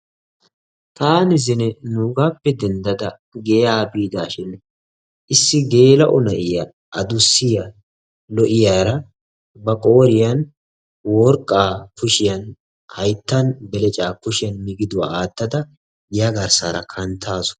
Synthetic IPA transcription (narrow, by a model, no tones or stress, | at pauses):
t̪aːnɪzɪnɛnuːɡaːpːɛd̪ɛnd̪ɐd̪ɐ | ɡejaːbiːd̪aːʃɪn | ʔɪsːɪɡe̞ːlɐʔɔnɐʔɪjɐ | ɐd̪ʊsːɪjɐ | lɔʔɪjaːɾɐ | bɐkʼo̞ːɾɪjɐn | wɔɾkʼːaːkʊʃɪjɐn | hɐjt̪ːɐnbɛlɛt͡ʃʼaːkʊʃɪjɐnmɪɡɪd̪ʊwa̰aːt̪ːɐd̪ɐ | jɐɡɐɾsa̰ːɾɐ̰kʰɐnt̪ʰːaːsʊ̥